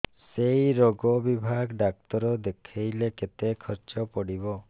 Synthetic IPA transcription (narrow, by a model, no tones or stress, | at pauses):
sejɾoɡɔbibʱaɡɖak̚t̪ɔɾɔd̪ekʰejleket̪ekʰɔɾt͡ʃɔpɔɽibɔ